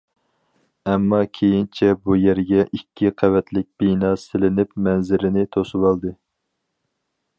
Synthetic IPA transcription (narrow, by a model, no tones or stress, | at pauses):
ɛmːɑkʲʰejint͡ʃʰɛbujæɾɡʲɛʔikʲːiqʰævɛt̪lɪk̚ʲb̥inɑsɪlɪnɪp̚mɛnzɪɾɪnɪt̪ʰosuwɑlˠd̪ɨ